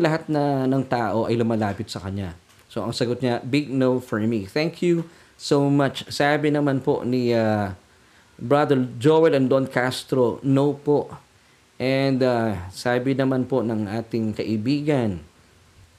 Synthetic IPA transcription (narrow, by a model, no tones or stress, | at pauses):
lɐɦat̪̚nɐnɐŋt̪aːʔo̞ʔɐjlʊmɐlaːpɪt̪̚sɐkɐɲa | so̞ʔɐŋsɐɡot̪̚ɲabɪɡ̚nowfɔɹmiθɛŋkʰju | sowmɐt͡ʃsaːbɪnɐmanpo̞̰ʔnia | bɹad̪ɛld͡ʒowɛlɐnd̪onkast̪ɾo̞nowpo̞ʔ | ʔɛnd̪asaːbɪnɐmanpo̞nɐŋʔaːt̪ɪŋkɐʔɪbiːɡɐn